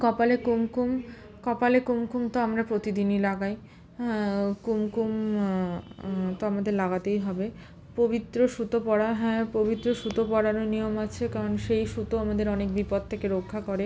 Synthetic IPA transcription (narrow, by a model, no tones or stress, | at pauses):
kɔpalekumkum | kɔpalekumkumt̪oamɾapɾot̪id̪inilaɡaj | kumkum | t̪oamad̪eɾlaɡat̪ejɦɔbe | pobit̪ːɾoʃut̪opɔɽaɦɔepobit̪ːɾoʃut̪opɔɽanonijomat͡ɕʰekaɾonʃejʃut̪oamad̪eɾɔnek̚bipɔd̪̚t̪ʰekeɾokʰːakɔɾe